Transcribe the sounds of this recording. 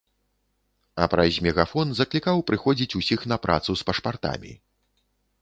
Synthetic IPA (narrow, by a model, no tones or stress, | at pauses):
ɐpɾɐzʲmʲɛɣafɔnzɐklʲikawpɾɨxɔd͡zʲit͡sʲusʲixn̪ɐpɾʔa̰t̪suspɐʂpart̪a̰mʲḭ